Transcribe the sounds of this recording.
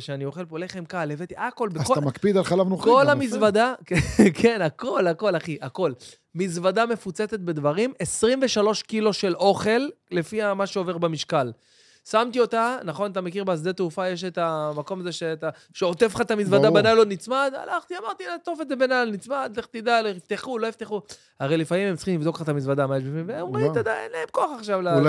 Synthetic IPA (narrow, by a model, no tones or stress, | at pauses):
ʃeanio̞χe̞lpoleχemkalevet̪iʔako̞lbekotamakpid̪alχalavnuχkolamisvad̪akkʰenako̞lako̞laχiʔako̞l | mizvad̪ame̞fut͡set͡se̞t̪̚be̞d̪vaʁimesʁimve̞ʃalo̞ʃkilo̞ʃe̞lo̞χe̞lːe̞fiamaʃeo̞ve̞ʁbemiʃkal | samt̪io̞t̪anaχonat̪̬amekiʁbeasd̪et̪eufajeʃ̬et̪amako̞mazeʃeat̪a | ʃeot̪efχat̪amizvadabanajlonit͡smad̪a̰laχt̪iamaʁt̪iat̪o̞fetzebenalnit͡smad̪leχt̪id̪aloift̪eχulo̞ift̪eχu | aʁelifaimemt͡ssiχimlivd̪o̞kat̪amizvad̪amajeʃbifimveeomʁit̪ad̪aḛnleemkoaχaχʃavla